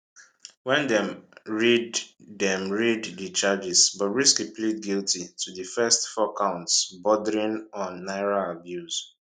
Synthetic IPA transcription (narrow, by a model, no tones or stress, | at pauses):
wɛ̃ndɛ̃mɹiddɛ̃mɹiddit͡ʃad͡ʒisbɔtɹiskiplid̚ɡiltitʰudifɛstfɔkãʊ̃ntsbɔdəɹĩnɔ̃nːaɪɹalabjus